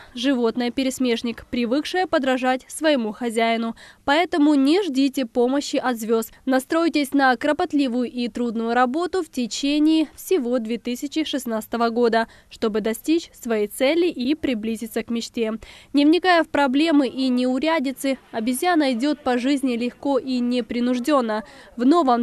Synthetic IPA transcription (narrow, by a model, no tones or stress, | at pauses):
ʐɨvo̞t̪nɨjəpʲɪɾʲɪsʲmʲe̞ʂnʲɪkpɾʲɪvɨkʂɨjəpəd̪ɾɐʐatʲsvəjɪmuxɐzʲæjɪnʊpɐɛt̪əmʊnʲɪʐdʲitʲɪpo̞məɕːɪʔɐt̪zvʲo̞snɐst̪ɾo̞jtʲɪsʲnəkɾəpɐt̪lʲivʊjʊʔit̪ɾud̪nʊjʊɾɐbo̞t̪ʊftʲɪt͡ɕenʲɪːfsʲɪvo̞d̪vʲet̪ɨsʲɪt͡ɕɪʂɨsnat̪sɨ̥t̪əvəɡo̞d̪ə | ʂt̪o̞bɨd̪ɐsʲtʲit͡ɕsvɐjejt̪sɛlʲːɪʔipɾʲɪblʲizʲɪt̪səkmʲɪt͡ɕtʲenʲɪvnʲɪkajəfpɾɐblʲe̞mɨʔinʲɪʊɾʲædʲɪt̪sɨɐbʲɪzʲjanɐɪdʲo̞t̪̚pɐʐɨzʲnʲɪlʲɪxko̞ʔinʲɪpɾʲɪnʊʐdʲo̞nːəvno̞vəm